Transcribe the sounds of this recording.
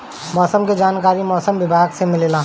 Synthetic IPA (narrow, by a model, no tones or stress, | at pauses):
mɔːsəmked͡ʒaːnkaːɾimɔːsəmʋɪbʱaːɡsemɪlelaː